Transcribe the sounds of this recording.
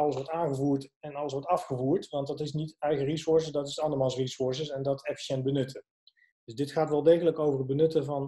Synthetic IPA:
ɑləsʋɔɹtaːŋχəvuːɹtɛnɑləsʋɔɹtɑfχəvuːɹtʋɑntdɑtɪsnitɛjχərisɔɹs̬ədɑtɪstɑndəmaːlˠsrisʊɹs̬əsɛndɑtʰɛfi̥ʃɛnt̚bənɵtʰə | d̥ɵzdɪtχaːtʋɛlˠdejχələkowvərɦəd̚bənɵtəvɑn

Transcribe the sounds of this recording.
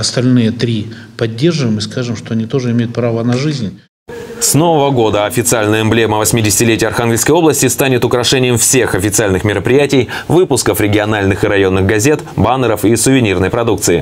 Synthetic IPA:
ɐst̪ɐlʲnɨjət̪ɾʲipɐdʲːe̞rʐɨvəjmɨskaʐɨmʂt̪oɐnʲit̪o̞ʐɨɪmʲejʊt̪pɾavənɐʐɨzʲnʲ | sno̞vəvəɡo̞d̪əɐfʲɪt̪sɨalʲnəjəɛmblʲeməvəsʲmʲɪdʲɪsʲɪ̥tʲɪlʲetʲɪjəɐrxanɡʲɪlʲskəjo̞blˠəsʲtʲɪst̪anʲɪt̪ʊkɾɐʂɛnʲɪjɪmfsʲe̞xɐfʲɪt̪sɨalʲnɨxmʲɪɾəpɾʲɪjætʲɪjvɨpʊskəfɾʲɪɡʲɪɐnalʲnɨxɨɾɐjo̞nːɨɣɡɐzʲet̪banəɾəfisʊvʲɪnʲirnəjpɾɐd̪uk̚t̪sɨɪ̰

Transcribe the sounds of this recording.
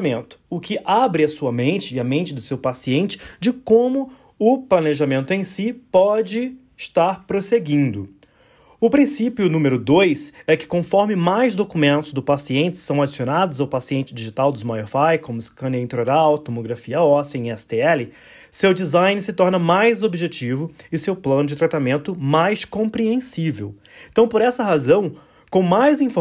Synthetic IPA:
mẽnt̪ʊ̥ʊkɪʔabɾɪɐsuɐmẽnt͡ʃɪːɐmẽnt͡ʃɪd̪ʊsewpasiẽnt͡ʃɪ̥d͡ʒɪkõmʊ | ʊplɐneʒamẽnt̪ʊẽj̃sipɔd͡ʒɪ | ɪʃt̪aɾpɾoseɡĩnd̪ʊ | ʊpɾĩsipjʊːnũmeɾʊd̪ojsɛkɪ̥kõfɔɾmɪmajzd̪okumẽnt̪ʊzd̪ʊpasiẽnt͡ʃɪ̥sɐ̃w̃ad͡ʒisionad̪ʊzawpasiẽnt͡ʃɪd͡ʒiʒit̪awd̪ʊzmajoɾfajkõmʊɪskɐ̃niĩt̪eɾoɾawt̪omoɡɾafiɐɔsẽj̃ɛsɪ̥t̪eɛlɪ | sewd͡ʒizajnɪsɪt̪ɔɾnɐmajzobiʒet͡ʃivʊɪsewplɐ̃nʊd͡ʒɪt̪ɾat̪amẽnt̪ʊmajskõpɾiẽsivew | ẽt̪ɐ̃w̃poɾɛsɐɦazɐ̃w̃ | kõw̃majzĩfo

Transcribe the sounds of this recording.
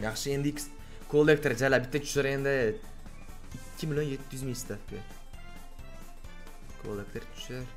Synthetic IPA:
jɑχʃəend̪ikʲs | kʰolˠːek̚t̪eɾʒælʲabɪt̪ːet̪ʰy̥ʃeɾend̪ɪ | ɪkʲːɪmʲilʲjonjet̪ːyzmʲist̪akʲʰe | kʰo̰lˠek̚t̪ert̪ʰy̥ʃeɾ

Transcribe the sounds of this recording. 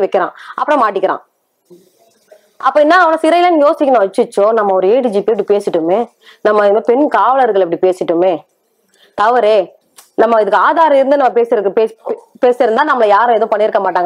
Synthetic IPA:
ʋɛkːɪɾã̰ːʔɐpːɐɽõmaːʈ̬ːɪkːɪɾã̰ː | ʔɐpːɐːɛnːaːɐʋɐnɐsɪɾɐjɪlãniːŋɡɐjoːsɪkʲːɐnõːʋɐt͡ʃːɯt͡ʃːoːnɐmːɐɔɾɯeːʈid͡ʒipeːpːɐɽipeːsɪʈːɯmeː | nɐmːɐmepɛɳkaːʋɐlɐɾɣɐɭɛp̬ːɐɽipeːsɪʈːɯmeː | t̪ɐʋɐɾeː | nɐmːɐɪðɯkːaːðaːɾɐ̃ɪɾɯnd̪ɯnɐmːɐpeːsɪɾɯkːpeːpeːsɪɾɯnd̪aːnɐmːɐlɐjaːɾʊ̃ɛðõːpɐɳːɪɾɯkːɐmaːʈːaːŋɡɐ

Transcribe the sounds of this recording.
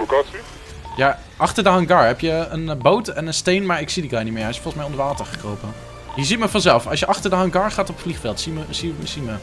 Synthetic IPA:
okaːsi | ja | ʔɑχtədaːənɡɑɹɦɛpjəənbowtɛnənstejnmaːɹɪksidiɡaːnitmɪːɹɦɛjɪsfɔlˠχəsmɛjɔndəɹʋaːtəɹχə̥krowpə | jəzitməfɑnzɛlˠfɑ̰lsjəʔɑχtəɹdaːənɡɑɹχaːtɔpfliχfɛlˠtsiməsiəsimə

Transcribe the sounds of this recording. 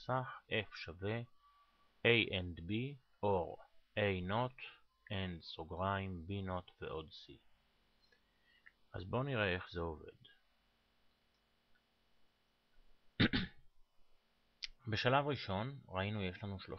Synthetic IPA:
saχʔe̞fʃave | ejʔend̪bi | ʔo̞ʁʔejno̞t̪ | endsoɡʁaimbino̞t̪ve̞̰ʔo̞dsḭ | ʔa̰zbo̞niʁe̞e̞χzeove̞̰d | be̞ʃalavʁiʃo̞nʁainuje̞ʃlanuʃlo̞̰

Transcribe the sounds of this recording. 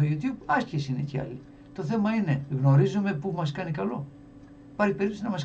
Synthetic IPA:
ojut̪jubɐscesine̞̰ceɐ̰li | t̪o̞θe̞mɐine̞ɣno̞ɾizume̞pumɐs̬kɐnikɐlo̞̰ | pɐɾçipe̞ɾip̪t̪oinɐmɐs

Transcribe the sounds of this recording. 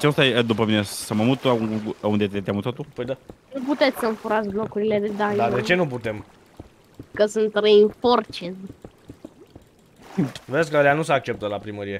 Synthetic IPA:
t͡ʃeost̪ajd̪upəminesəməmut̪uund̪et̪et̪ʲjamut̪ot̪upəjd̪anuput̪e̞t̪sʲsəɨɱfuɾat̪sʲlo̞kuɾile̞d̪ed̪aɲd̪ad̪et͡ʃe̞nuput̪e̞m | kəsunt̪reiɱfo̞rt͡ʃen | veskəaɾeanusəak̚t͡ʃe̞pt̪əlapɾiməɾije

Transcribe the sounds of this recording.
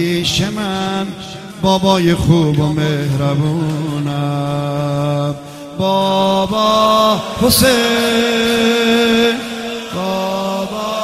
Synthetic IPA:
ʃeman | bɔːbɔːjeχubomehɾabuna | bɔbɔ | hose | bɔb

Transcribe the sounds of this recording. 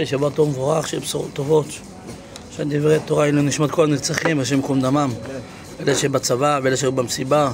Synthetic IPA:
eʃebat̪oʁmevoʁaχʃeḛbsuʁo̰t̪ːovo̞t̪ | ʃand̪ivʁeat̪oʁailuniʃmat̪kolamet͡saχimvʃ̬emkomd̪amam | elaʃebat͡savaveelaʃeubamsiba

